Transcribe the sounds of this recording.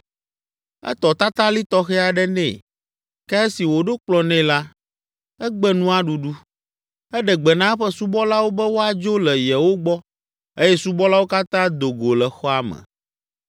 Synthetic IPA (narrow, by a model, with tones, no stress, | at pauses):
ɛ̰˦t̪ɔ˨t̪a˦t̪ã˦li˦t̪ɔ˦xɛ˦a˨ɖɛ˦nɛ̰̃˦˨ | kɛ˦ɛ˦si˨wo˨ɖo˦k͡plɔ˨nɛ̃˦la˦ | ɛ˦ɡ͡bɛ˦nũ˦a˦ɖu˨ɖu˦ | ɛ˦ɖɛ˨ɡ͡bɛ˨nã˦ɛ˦ɸɛ˦su˦bɔ˦la˦wo˦bɛ˦wo˦a˨d͡ʒo˦lɛ˨jɛ˨wo˦ɡ͡bɔ˦ | e˦jɛ˦su˦bɔ˦la˦wo˦ka˦t̪ã˦d̪o˨ɡo˨lɛ˨xɔ˦a˨mɛ̰̃˨